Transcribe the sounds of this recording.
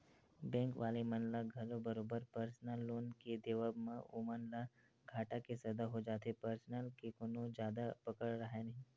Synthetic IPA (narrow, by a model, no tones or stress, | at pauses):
bɛ̃ːŋkʋaːlemɐnlaɡʱɐlõbɐɾoːbəɾpəɾsnəlːoːnked̪eʋəbmão̰mɐnla | ɡʱaːʈakesɐd̪aɦod͡ʒaːt̪epəɾsnəlkekoːnõd͡ʒjaːd̪apɐkəɽɾɐɦenɐɦĩː